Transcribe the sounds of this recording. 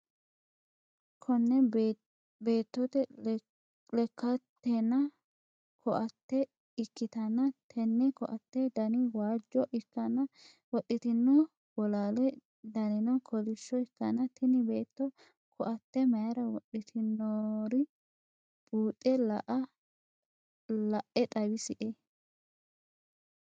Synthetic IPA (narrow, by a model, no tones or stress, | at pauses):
kʰɔnːɛ | beːt̪ːɔt̪ɛ | lɛkːɐt̪ːɛnɐ | kʰɔʔɐt̪ːɛ | ɪkːɪt̪ɐnːɐt̪ʰɛnːɛkɔʔɐt̪ːɛd̪ɐnɪwaːd͡ʒːɔʔɪkːɐnɐ | wɔɗːɪt̪ɪnːɔ | wɔlaːlɛ | d̪ɐnɪnɔkʰɔlɪʃːɔɪkːɐnɐt̪ɪnɪbe̞ːt̪ːɔ | kʰɔʔɐt̪ːɛmɐjɐɾɐwɔɗɪt̪ʰɪnːɔɾɪ | bʼuːtʼːɛlɐʔɐ | lɐʔːɛt̪ʼɐwɪsɪʔe